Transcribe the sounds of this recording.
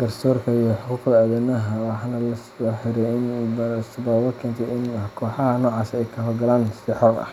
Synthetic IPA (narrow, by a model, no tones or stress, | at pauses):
ɡ̥ɐrsɔːrkʰɐijɔħʊkukɐɐðɛnɐɦɐwɑħɑnɐlɐsɔːħɪɾɛjɪnmɐɾsʊbɐːwɐkʰɛːnt̪ʰɛɪnkʰɔːħɑɦɐnɔːʕɑːsɛjkʰɐɦɔrɡɐlaːnsɪħɔːqɐ̰h